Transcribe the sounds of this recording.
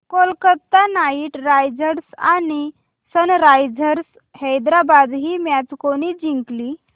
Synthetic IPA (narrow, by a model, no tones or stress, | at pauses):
kolkət̪ːanaiʈɾajd͡zəɾsani | sənɾajd͡zəɾs | həjd̪ɾabad̪ɦiːmjat͡skoɽ̃id͡ʑiŋkli